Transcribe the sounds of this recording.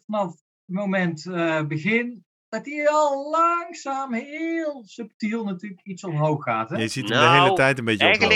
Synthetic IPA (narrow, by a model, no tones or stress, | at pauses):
fɑnɑf | tmowmɛntbəɣɪn | d̥ɑtiɔlˠlɑŋsaːmɦɪlˠsʉp̚tilˠnatyːləkitsɔmɦowxːaːtɦɛzitmdəɦejlətɛjtənbejcə